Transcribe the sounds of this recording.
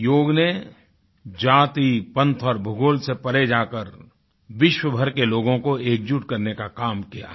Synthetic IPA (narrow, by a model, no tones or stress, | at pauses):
joːɡne | d͡ʒaːt̪ipɐ̃nt̪ʰɔːɾbʱʊɡoːlsepɐɾed͡ʒaːkəɾ | ʋɪʃwəbʱəɾkeloːɡõkoeːk̚d͡ʒuʈkɐɾnekakaːmkija̰ː